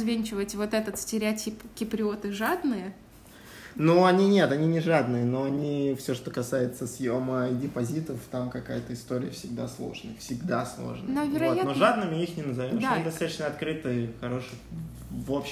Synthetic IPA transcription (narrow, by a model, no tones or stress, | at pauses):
zvʲenʲt͡ɕɪvətʲvo̞t̪ɛt̪ət̪sʲtʲɪɾʲɪɐtʲipɡʲɪpɾʲɪo̞t̪ɨʐad̪nɨjə | nuɐnʲinʲe̞t̪ɐnʲinʲɪʐad̪nɨjənoɐnʲifsʲo̞ʂt̪o̞kɐsajɪt̪səsjoməidʲɪpɐzʲit̪əft̪amkɐka̰jət̪əɪst̪oɾʲɪjəfsʲɪɡ̚d̪aslˠo̞̰ʐnəjfsʲɪɡd̪aslˠo̰ʐnə̰novʲɪɾɐjat̪noʐad̪nɨmʲɪixnʲɪnəzɐvʲomd̪ad̪ɐsat̪ə̥t͡ɕnəɐt̪kɾɨt̪ɨjxɐɾo̞ʂɨj | vopɕ